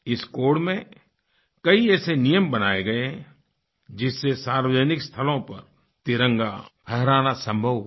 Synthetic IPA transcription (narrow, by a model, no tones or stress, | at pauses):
ɪskoːɖmẽ | kɐiɛːsenijəmbɐnaːeɡɐẽ | d͡ʒɪsːesaːɾʋəd͡ʒənɪkst̪ʰəlõpɐɾ | t̪ɪɾə̃ŋɡa̰pʰɛɦɾaːnasə̃mbʱəʋ